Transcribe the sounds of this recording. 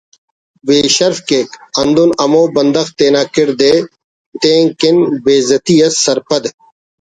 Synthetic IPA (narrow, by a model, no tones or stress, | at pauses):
beːʃɐɾfkeːkɐnd̪unɐmõːbɐnd̪ɐxt̪eːnaːkɪɾd̪eː | t̪ẽːŋkɪnbeːzɐt̪iːɐssɐɾpʰɐd̪